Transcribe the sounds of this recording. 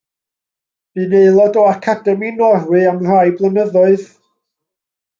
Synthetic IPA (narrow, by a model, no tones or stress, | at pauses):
b̥ɨneɨlˠɔdɔakʰadɛminɔrwɨamr̥ajblˠənəðʊɨð